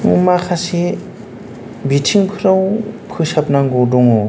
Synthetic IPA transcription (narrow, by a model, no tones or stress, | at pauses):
ŋṵmakʰasi | bitʰiŋpʰɯɾawpʰɯsap̚naŋɡɔdɔŋɔ